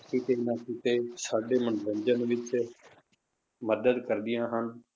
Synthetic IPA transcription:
kit̪eːɪnãːkit̪eːsaːɖeːmənbə̃ɲd͡ʒənʋɪt͡ʃ | məd̪əd̪kəɾd̪ɪjãːɦən

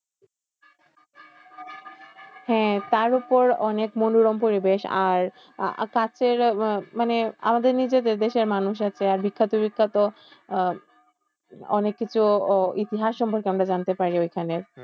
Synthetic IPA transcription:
hɛ̃t̪aɾupoɾɔnekmonuɾompoɾibeʃa̰ɾ | kat͡ɕeɾmanea̰mad̪eɾnid͡ʑed̪eɾd̪eʃeɾmanuʃ̬at͡ɕʰeaɾbikʰːat̪obikʰːat̪o | ɔ̰nekːit͡ɕʰuit̪iɦaʃːɔmpoɾkeamɾad͡ʑant̪epaɾiojkʰaneɾ

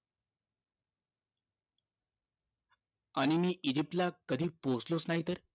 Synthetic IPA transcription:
aɽ̃imiːʔid͡ʑip̚ʈlakəd̪ʱiːposlot͡snaɦit̪əɾ

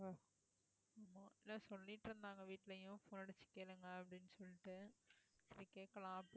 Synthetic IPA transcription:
aːmːoːeloːsolːiːʈːɾend̪aːŋɡɐʋiːʈːilejũfoːnɐɽɐt͡ɕi̥kʲːelɐŋɡaɐpːɐɽinːsolːiʈːɨsiɾikʲːekːɐɭaːpːɨ

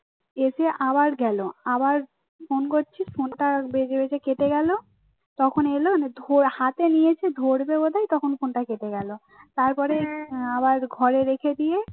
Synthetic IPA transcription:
eʃeʔabaɾɡɛloabaɾ | fonkoʈːt͡ɕʰifonʈabed͡ʑebet͡ɕʰeket̪eɡɛlo | t̪ɔkʰonelond̪ʱoɾhat̪enijet͡ɕʰed̪ʱoɾbebod̪ʱajt̪ɔkʰonfʰonʈaket̪eɡɛlo | t̪aɾpɔɾeaβaɾɡʱɔɾeɾekʰed̪ije

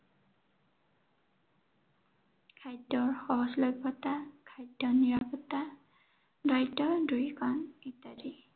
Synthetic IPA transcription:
kʰajdɔɹxɔɦɔslɔjbʱːɔtakʰajdːɔniɹapɔtːa | dajtːɔdujkʰɔnitadi

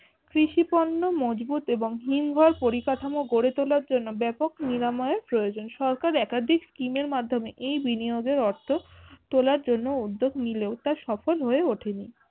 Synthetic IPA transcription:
kɾiʃipɔnːomod͡ʑbut̪eboŋɦimɡʱɔɾpoɾikaʈʰamoɡoɽet̪olaɾd͡ʑonːobɛpokniɾamɔeeɾpɾojod͡ʑonʃɔɾkaɾɛkad̪ʱikskimeɾmad̪ʱomeʔejbinioɡeɾɔɾt̪ʰot̪olaɾd͡ʑonːoud̪ːoɡʱnileot̪aʃɔfolɦoeoʈʰeni

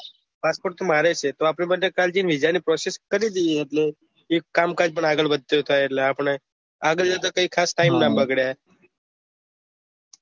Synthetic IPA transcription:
paspoɾʈ̚t̪omaɾet͡ʃʰet̪oapɳibəʈekald͡ʒinʋid͡ʒanipɾɔseskəɾid̪iiɦət̪le | ekkːamkad͡ʒpəɳaɡəɭbəd̪̚t̪et̪ʰaeɾlaːpəɳ̃e | aɡəld͡ʒat̪̬akəiːkʰasʈaimnabəɡɽja

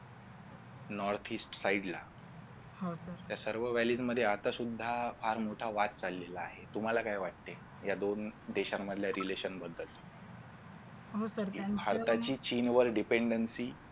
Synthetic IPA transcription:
nɔɾt̪ʰisʈsaiɖla̰ | ɦosəɾt̪jasəɾʋəʋælid͡zməd̪ʱːjeat̪asud̪ʱːafaɾmoʈʰaʋat̪̚t͡salːelaːɦet̪um̤alakajʋaʈ̚t̪e | jad̪ond̪eɕamːəd̪ʱjaɾileɕənbəd̪ːəl | ɦosəɾbʱaɾt̪at͡ɕiːt͡ɕinʋəɾɖipeɳɖənsiː

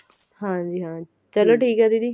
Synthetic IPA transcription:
hãːd͡ʒiɦãːd͡ʒit͡ɕɐloʈʰiːkad̪id̪iː

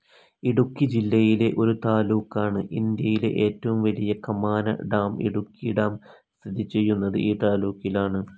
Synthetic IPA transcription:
iɽukːid͡ʑilːɐjile̞ʔo̞ɾut̪aːluːkːaːɳɨʔind̪jɐjilḛʔeːtːɐʋumʋɐlijɐkɐmaːnɐ̰ɖaːmḭɽukːiɖaːm | st̪ʰid̪ʱit͡ɕːe̞jːunːɐðɨ̰ʔiːt̪aːluːkːilaːɳɨ

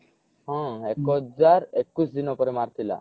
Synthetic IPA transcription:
hɔ̃ɛkɔd͡ʑaɾekːusd̪inɔpɔɾemaɾt̪ʰila̰

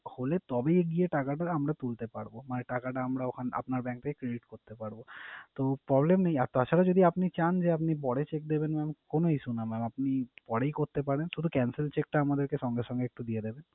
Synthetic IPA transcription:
holet̪ɔbejeɡijeʈakaʈaɾamɾat̪ult̪epaɽbomaneʈakaʈaamɾaokʰana̰pnaɾbɛ̃ŋk̚t̪ʰeke̥kɾeɖiʈkoɾt̪epaɽbot̪opɾɔblemnej̃aɾt̪oat͡ɕʰʃʰaɾad͡ʒod̪ʱiapnit͡ɕand͡ʑeap̬nipɔɽet͡ʃek̚d̪ebenmɛmkonoiʃunamɛmapnipɔɽeikoɾt̪epaɾenʃud̪ʱukɛnselt͡ʃek̚ʈaamad̪eɾkeʃɔŋɡeʃɔ̃ŋɡeek̚ʈud̪ijed̪eben

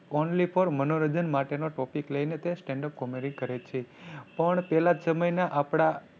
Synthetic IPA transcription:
onlipʰəɾmənoɾəd͡ʒənmaʈenoʈɔpikləjnet̪esʈẽɳɖəp̚komiɾĩŋɡkəɾet͡ʃʰepəɳpɛlad͡ʒsəməjnaʔapɽ̃a

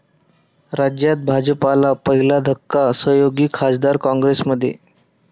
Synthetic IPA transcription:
ɾad͡ʑjat̪̚bʱad͡ʑəpalapəɦilad̪ʱəkːasəjoɡiːkʰasd̪aɾkɔ̃ŋɡɾesməd̪ʱːjḛ

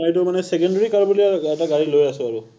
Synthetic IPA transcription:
ajtʊmanɛsɛkɔndaɹikaɹbuliaɛtaɡaɹilojasʊ̃aɹu

